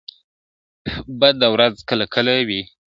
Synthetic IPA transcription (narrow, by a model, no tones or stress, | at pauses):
bad̪awɾazkəlakʰəlawi